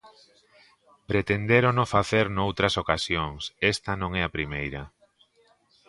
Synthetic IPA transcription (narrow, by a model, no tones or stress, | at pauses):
pɾet̪end̪eɾonofaθeɾnowt̪ɾɐsokasjoŋsɛst̪ɐnõŋɛɐpɾimejɾɐ